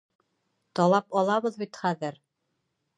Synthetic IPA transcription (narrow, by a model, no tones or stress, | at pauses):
t̪ɒlˠɑpɑlˠɑβɤðbit̪χæðɘɾ